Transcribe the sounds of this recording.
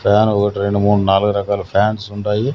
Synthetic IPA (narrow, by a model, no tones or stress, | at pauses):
pʰaːnɔkɐʈiɾeɳɖumuːɽːunaːluɡuɾɐkaːlɐpʰaːnsuɳʈaːji